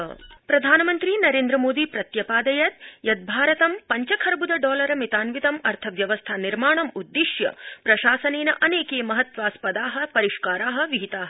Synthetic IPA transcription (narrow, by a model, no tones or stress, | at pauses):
pɾɐd̪ʱaːnɐmɐnt̪ɾiːnɐɾeːnd̪ɾɐmoːd̪iːpɾɐt̪jɐpaːd̪ɐjɐt̪jɐd̪̚bʱaːɾɐt̪ɐmpɐɲt͡ʃɐkʰɐɾbud̪ɐɖɔːlɐɾɐmit̪aːnʋit̪ɐmɐɾt̪ʰɐʋjɐʋɐst̪ʰaniɾmaːɳɐmud̪ːiʃjɐ̰pɾɐʃaːsɐneːnɐʔɐneːkeːmɐɦɐt̪ʋaːspɐd̪aːɦɐ̆pɐɾiʃkaːɾaːɦɐ̆ʋiɦit̪aːɦɐ